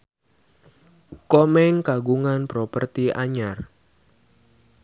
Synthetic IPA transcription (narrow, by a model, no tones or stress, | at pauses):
kɔmɛŋkaɡuŋanpɾɔpərt̪ia̰ɲar